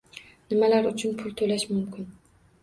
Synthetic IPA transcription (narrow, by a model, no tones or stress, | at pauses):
nɪmalaɾʊt͡ʃʰʊnpʰʊlˠt̪ʰolaʃmʊmkʰʲɪn